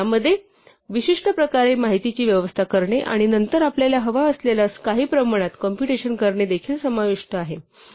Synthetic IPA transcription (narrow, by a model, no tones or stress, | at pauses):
aməd̪ʱːje | ʋiɕiʂʈəpɾəkaɾemaɦit̪it͡ɕiːʋjəʋəst̪ʰakəɾɳeʔa̰ɽ̃inənt̪əɾapljaljaɦəʋaəslelaskaɦiːpɾəmaɽ̃at̪kɔmpjuʈeɕənkəɾɳed̪ekʰiːlsəmaʋiʂʈəaɦe